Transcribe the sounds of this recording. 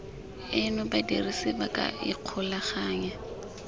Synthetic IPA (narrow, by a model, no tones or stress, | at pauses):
ɪnʊbadirisɪbakʼa̰ɪ̰q͡χʰʊlaχaːɲa